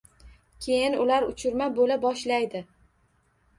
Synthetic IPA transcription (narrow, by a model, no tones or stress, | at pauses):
kʲʰe̞jɪnʊlaɾʊt͡ʃʰʊɾmabolabɒʃlajd̪ɪ